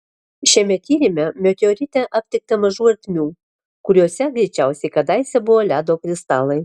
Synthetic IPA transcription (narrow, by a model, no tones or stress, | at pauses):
ʃʲɛmʲɛt̪ʲiːɾʲɪmʲɛmʲɔk̪ʲoːɾʲɪt̪ʲɛʔɐp̚ʲt̪ʲɪk̚t̪ɐmɐʒuːɐɾʲt̪ʲmʲuː | kʊɾʲuːsʲɛɡɾʲɛɪt͡ʃʲæˑʊsʲɛɪkɐd̪ɐɪsʲɛbʊʋoːlʲæːd̪oːkɾʲɪst̪ɑːlˠɐɪ